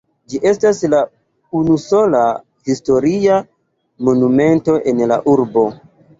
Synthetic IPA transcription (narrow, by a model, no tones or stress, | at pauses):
d͡ʒiʔe̞stasla | unuso̞la | histo̞ɾia | mo̞nume̞nto̞ʔe̞nla̰ʔuɾbo̞